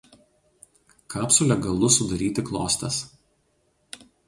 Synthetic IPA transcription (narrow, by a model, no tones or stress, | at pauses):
kɑːpsʊlʲɛɡɐlˠʊsʊd̪ɐɾʲiːt̪ʲɪklˠo̰ːsʲt̪ʲɐs